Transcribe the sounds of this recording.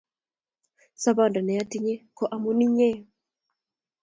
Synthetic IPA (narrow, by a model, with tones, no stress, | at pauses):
sa˦ba˦˨nda˨nɛ˨a˦ti˦ɲe˦kɔ˨ʔa˨mo˦ni˦ɲɛ˦